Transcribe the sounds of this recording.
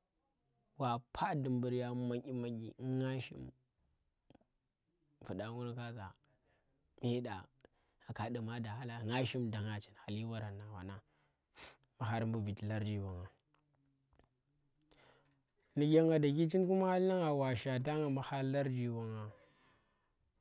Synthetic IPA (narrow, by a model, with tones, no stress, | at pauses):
wa˨pʰa˦di˨mbu˨ɾja˦ma˦ŋʔi˦ma˦ɡḭ˨˦ŋa˦ʃḭ˦m | fu˨da˦ŋu˦ɾka˦za˨ | mi˦da˨ | a˨ka˨du˨ma˦da˨ha˦la˨ŋa˦ʃi˦mda˨ŋa˨t͡ʃi˨n˨a˨li˦wa˦ɾa˨nːa˨wa̰˨na˨ | ma˨ɦa˦ɾmbu˨vi˨ti˨la˦ɾd͡ʒi˦wa˨ŋa˨ | ni˨ɡʲa˦ŋɡa˨da˨ki˦t͡ʃi˦nku˦ma˦a˦li˦na˦ŋa˨wa˨ʃa˨t̬a˦ŋa˨ma˨ha˦la˦ɾd͡ʒi˨wa˨ŋa˨